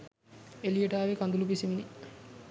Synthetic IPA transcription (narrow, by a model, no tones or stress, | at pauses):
elijeʈaːʋekand̪ulupisimini